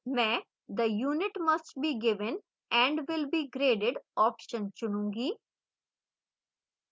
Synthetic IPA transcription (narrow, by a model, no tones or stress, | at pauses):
mɛ̃ː | d̪əjuːnɪʈmɐsʈ̚biːɡɪʋə̃n | ɛ̃ɳɖʋɪlbiːɡɾeːɖɪɖɔːpʃə̃nt͡ʃʊnũːŋɡiː